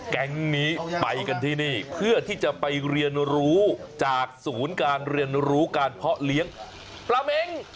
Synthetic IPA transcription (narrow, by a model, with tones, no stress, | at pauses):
kɛ˦˥ŋniː˦˥pa˧jka˧nt̪ʰiː˥˩niː˥˩pʰɯ˥˩ət̪ʰiː˥˩t͡ɕa˨˩ʔpa˧jɾi˧ənɾuː˦˥t͡ɕaː˨˩k̚suː˩˦nkaː˧nɾi˧ənɾuː˦˥kaː˧npʰɔ˦˥ʔli˦˥əŋ | pɾa˧me˧ŋ